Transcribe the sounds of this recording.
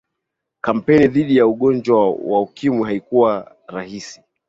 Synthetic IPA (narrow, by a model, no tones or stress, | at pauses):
kam̩pɛniðiɗijauɠɔnd͡ʒwawaukimwiɦaikuwa | ɾahisi̥